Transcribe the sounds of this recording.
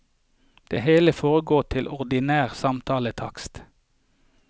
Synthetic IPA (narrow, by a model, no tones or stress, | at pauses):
d̪̥ḛːheːləfoːʁəɡoːʈ̪ʰɪlʔɔʁd̪ɪnæːʁsɑmt̪ʰɑːlət̪ʰɑ̰kst̪